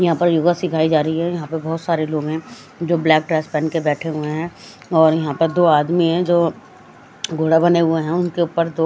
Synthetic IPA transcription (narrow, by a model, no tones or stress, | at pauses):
jɐɦãpɐɾjoːɡasɪkʰaːid͡ʒaːɾəɦiɦɛjɐɦãpɐbɐɦʊt̪saːɾeloːɡɦɛ̃ | d͡ʒoːblɛːk̚ʈɾɛːspɛːnkebɛːʈʰeɦʊeɦɛ̃ | ɔːɾjɐɦãpɐɾd̪oːaːd̪miɦɛ̃d͡ʒoː | ɡʱoːɽabɐneɦʊeɦɛ̃ʊnkeʊːpəɾd̪oː